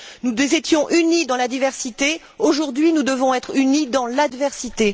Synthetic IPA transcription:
nuzet̪jɔ̃ʔynid̪ɑ̃lad̪ivɛʁsit̪e | oʒuʁd̪ɥinud̪əvɔ̃ɛt̪χynid̪ɑ̃lad̪vɛʁsit̪e

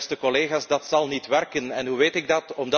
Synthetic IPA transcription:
stəkɔleːɣaːsdɑtsɑlˠnitʋɛrkənɛnɦuʋeːtɪɡ̚dɑtɔmdɑ

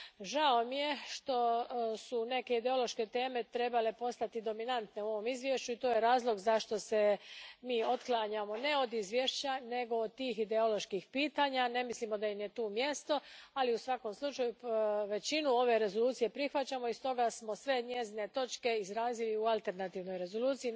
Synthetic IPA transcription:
ʒao̞mije̞ʃt̪o̞sune̞ke̞id̪e̞o̞lo̞ʃke̞t̪e̞ːme̞t̪ɾe̞bale̞po̞st̪at̪id̪o̞minant̪ne̞uo̞ʋo̞mizʋje̞ʃt͡ɕuit̪ojeɾaːzlˠo̞ɡzaʃt̪o̞se̞miːo̞t̪klˠaɲamo̞ne̞o̞d̪izʋje̞ʃt͡ɕane̞ɡo̞ːd̪̚t̪iːxid̪eolo̞ʃkixpiːt̪aːɲane̞mislimo̞d̪aimje̞t̪uːmje̞st̪o̞aliusʋako̞mslˠut͡ʃajuʋe̞t͡ɕinuo̞ʋe̞ɾe̞zo̞luːt̪sije̞pɾixʋat͡ɕamo̞ist̪o̞ɡasmo̞sʋe̞ɲe̞zine̞t̪o̞t͡ʃke̞izɾaːziliualˠt̪e̞ɾnat̪iːʋno̞jɾe̞zo̞luːt̪sii

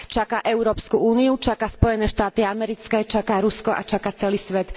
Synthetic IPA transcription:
t͡ʃakaːʔɛʊɾɔːpskuuːniut͡ʃakaːspɔjɛnɛːʃt̪aːt̪iamɛɾit͡skɛːt͡ʃakaːɾuskɔʔa̰t͡ʃakaːt͡sɛliːsʋɛt̪

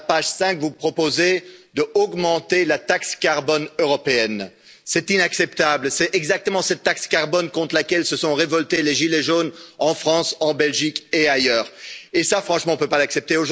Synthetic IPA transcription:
paʒsɛ̃kvupχɔpozed̪əɔɡmɑ̃t̪elat̪akskaʁbɔnøʁɔpeɛn | sɛt̪inaksɛpt̪ablsɛɛɡzak̚t̪əmɑ̃sɛt̪ːakskaʁbɔnkɔ̃t̪χlakʲɛlsəsɔ̃ʁevɔlt̪eleʒileʒonɑ̃fχɑ̃sɑ̃bɛlʒikeajœːʁesafχɑ̃ʃmɑ̃ɔ̃pøpalaksɛp̚t̪eoʒ

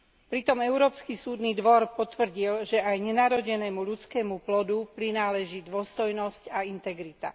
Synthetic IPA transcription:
pɾit̪ɔmɛʊɾɔːpskisuːd̪niːd̪ʋɔɾpɔt̪ʋr̩ɟilʒɛʔajɲɛnaɾɔɟɛnɛːmuʎut͡skɛːmuplɔd̪upɾinaːlɛʒiːd̪ʊɔst̪ɔjnɔscaint̪ɛɡɾit̪a̰

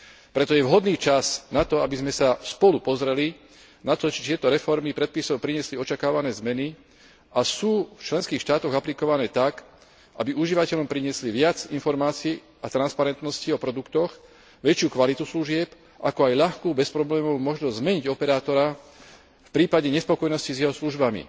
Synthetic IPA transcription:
pɾɛt̪ɔjɛʋɦɔd̪niːt͡ʃasnat̪ɔabizmɛsaspɔlupɔzɾɛli | nat̪ɔt͡ʃɛ̥t̪ɪɛt̪ɔɾɛfɔɾmipɾɛt̪̚pisɔʊpɾiɲɪɛsliɔt͡ʃakaːʋanɛːzmɛni | ʔasuːft͡ʃlɛnskiːxʃt̪aːt̪ɔɣaplikɔʋanɛːt̪ak | ʔabiuʒiʋacɛʎɔmpɾiɲɪɛsliʋɪad͡zinfɔɾmaːt͡siː | at̪ɾanspaɾɛnt̪nɔsciɔpɾɔd̪ukt̪ɔx | ʋɛt͡ʃɪuːkʋalit̪usluʒɪɛp | ʔakɔajʎaxkuːbɛspɾɔblɛːmɔumɔʒnɔzzmɛɲiɟɔpɛɾaːt̪ɔɾa | fpɾiːpaɟɛɲɛspɔkɔjnɔscizjɛɦɔsluʒbamḭ

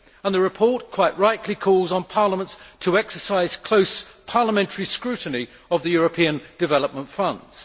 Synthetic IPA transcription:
ə̃nðəɹɨpʰɔɹt̚kʰw̥aɪʔɹaɪʔʰˡlikʰɔlˠzn̩pʰɑːləmə̃ntstʰəɛksəsaɪz̥kʰl̥əʊspʰɑːləmɛ̃ntʰəɹiskɹʉˑʔn̩i | əvðəjɔɹəpʰĩə̃nd̥ɨvɛləp̚mə̃ntfʌ̃ndz̥

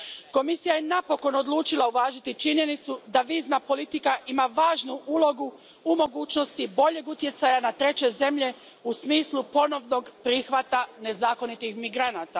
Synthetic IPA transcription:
ko̞misijaje̞napo̞ko̞no̞d̪luːt͡ʃilauʋaːʒit̪it͡ʃiɲje̞nit̪sud̪aʋiːznapo̞lit̪ikaʔimaʋaːʒnuʔuːlo̞ɡu | umo̞ɡuːt͡ɕno̞st̪ibo̞ʎe̞ɡut̪je̞t̪sajanat̪ɾe̞t͡ɕe̞ze̞mʎe̞ | usmiːslˠupo̞no̞ʋno̞ɡpɾixʋat̪ane̞zaːko̞nit̪ixmiɡɾanat̪a

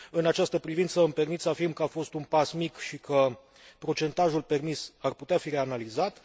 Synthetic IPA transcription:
ɨnat͡ʃast̪əpɾivint̪səmpe̞rmit̪səafirmkəafo̞st̪unpasmikʃikʰə | pɾo̞t͡ʃe̞nt̪aʒulpe̞rmisarput̪eafiɾe̞analizat̪

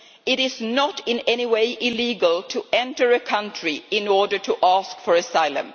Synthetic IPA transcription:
ɪɾɪznəɾɪ̃nɛniweɪʔɪliɡəlˠtʰuɛ̃ntə˞ɨkʰʌ̃ntɹ̥iɪ̃nɔɹdə˞tʰuʔæskfəɹɨsaɪlˠə̰̃m

